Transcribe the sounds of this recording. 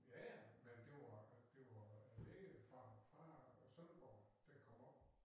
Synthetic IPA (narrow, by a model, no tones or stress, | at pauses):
jæmend̥e̝ʋɑ̈d̥e̝ʋɑleɡ̥əfɑ̈fɑ̈ɒsønb̥ɒːd̥ekʰɒ̽m̰ɒ̽b̥